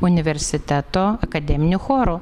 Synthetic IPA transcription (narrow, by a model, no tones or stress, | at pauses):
ʊnʲɪʋʲɛɾʲsʲɪt̪ʲɛt̪oːɐkɐd̪ʲɛmʲɪnʲʊxoːɾʊ